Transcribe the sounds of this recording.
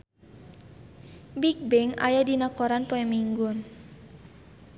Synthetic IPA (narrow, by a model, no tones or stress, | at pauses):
bik̚bɛŋa̰jadinakoɾanpoɛmiŋɡun